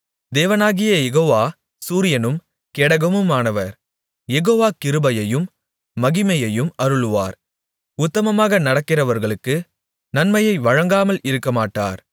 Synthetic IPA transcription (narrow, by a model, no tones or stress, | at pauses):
d̪eːʋɐnaːɣɪjɐjɛɣoːʋaː | suːɾɪjɐnɯm | kɛɽɐɣɐmɯmaːnɐʋɐɾ | jɛɣoːʋaːkɪɾɯbɐjɐjɯmː | ɐɣɪmɐjɐjɯmɐɾɯɭɯʋa̰ːɾ | ʊt̪ːɐmɐmaːɣɐnɐɽɐkːɪrɐʋɐɾɣɐɭɯkːɯ | nɐnmɐjɐɪʋɐɻɐŋɡaːmɐlɪɾɯkːɐmaːʈːa̰ːɾ